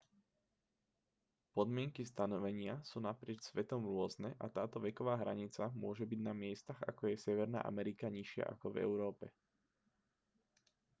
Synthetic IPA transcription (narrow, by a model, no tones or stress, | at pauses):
pɔd̪mɪɛŋkist̪anɔʋɛɲɪasuːnapɾɪɛt͡ʃsʋɛt̪ɔmɾʊɔznɛʔat̪aːt̪ɔʋɛkɔʋaːɦɾaɲit͡samʊɔʒɛbiɟnamɪɛst̪aɣa̰kɔjɛsɛʋɛɾna̰ːʔa̰mɛɾikaɲiʃɪa̰ʔa̰kɔvɛ̰ʊɾɔːpɛ